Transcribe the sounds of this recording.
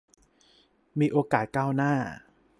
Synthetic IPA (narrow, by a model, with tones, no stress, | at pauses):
miː˧ʔoː˧kaː˨˩t̪̚kaː˥˩wnaː˥˩